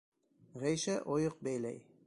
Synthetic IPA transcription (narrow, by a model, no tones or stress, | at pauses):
ʁæjʃæʔojɤq̚bæjlæj